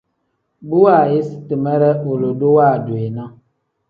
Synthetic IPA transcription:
bu˦wa˦˨je˦si̥˦ti˨mɛ˦ɾɛ˦o˨lo˨do˦wa˦˨dwe˨na˦

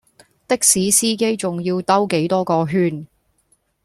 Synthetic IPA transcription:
t̪ɪ˥k̚siː˨˥siː˥ke˥jt͡sʊ˨ŋjiː˧wt̪ɐ˥wke˨˥jt̪ɔː˥kɔː˧ɦyː˥n

